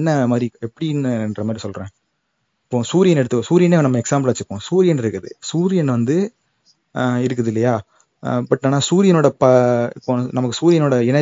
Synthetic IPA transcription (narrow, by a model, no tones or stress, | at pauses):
nːɐmaːd̪ɾiɛpːɐɽinːɯɛndɾɐmaːd̪ɾisɔlɾẽː | ɪpːõːsuːɾɪjɐnɛɽɯt̪ːɯkːõsuːɾɪjɐneːnɐmːɐɛksaːmbɐlʋɐt͡ʃːɯɾɯkːõsuːɾɪjɐnɪɾɯkːɐðɯ̰suːɾɪjɐnʋɐnd̪ɯ | ɪɾɯk̬ːɐðɪlːɐjaː | bɐʈːaːnːaːsuːɾɪjɐnoːɽɐpɐɪpːõːnɐmɐkːɯsuːɾɪjɐnoːɽɐɛnɐ